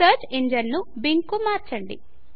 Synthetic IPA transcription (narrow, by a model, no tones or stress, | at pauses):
ɐɾt͡ʃiɲd͡ʒɐnnubiŋkːumaːɾt͡ʃɐɳɖḭ